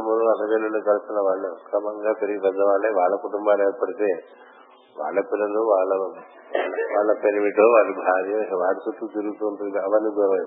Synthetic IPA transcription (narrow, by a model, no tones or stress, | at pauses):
ɐmuluɐt̪ɐʋelːɐnukɐlusunːɐʋaːɭːukɾɐmɐŋɡaːpeɾiɡikɐd̪ːɐʋaːɭːeːʋaːɭːɐkuʈumbaːleːɾpɐɽit̪e̞ː | ʋa̰ːɭːɐpilɐluʋaːɭːɐ | ʋaːɭɐʋaːɭːɐpeɾiʋiʈoːʋaːɭːubʱaːɾijɐʋaːɽusut̪ːut̪iɾuɡut̪uːɳʈund̪iɐʋɐnːiɡʋɐ